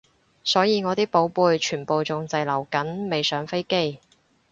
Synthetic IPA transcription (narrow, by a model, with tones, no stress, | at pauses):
sɔː˨˥jiː˨˧ŋɔː˨˧t̪iː˥po˨˥wpuː˨˧jt͡ʃʰyː˨˩npo˨wt͡sʊ˨ŋt͡sɐ˨jlɐ˨˩wkɐ˨˥nme˨jsœː˨˥ŋfe˥jke˥j